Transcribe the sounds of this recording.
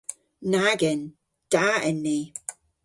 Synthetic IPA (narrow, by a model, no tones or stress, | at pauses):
naɡɛn | d̥aɛnːi